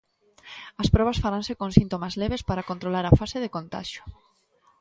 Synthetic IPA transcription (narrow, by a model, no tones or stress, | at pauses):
ɐspɾɔβ̞ɐsfaɾansekoŋsint̪omazleβ̞espaɾakont̪ɾolaɾɐfaseðekont̪a̰ʃʊ̥